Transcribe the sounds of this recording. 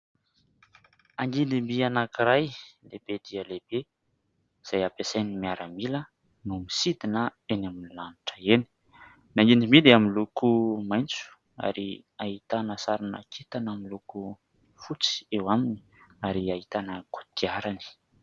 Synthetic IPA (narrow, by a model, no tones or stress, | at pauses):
aŋɡind̪imbianakiɾajlebed̪iəleb̥e | iz̥ajapesajnimiaɾəmilə | numisid̪inəenaminilaniʈ͡ʂəeni̥ | naŋɡinimiliaminlukumajnt͡su̥ | a̰ɾi | aɦit̪anəsaɾinə̰kʰet̪anamiluku | fut͡si̥ewamini̥ | aɾiait̪anəku̥t̪iaɾani̥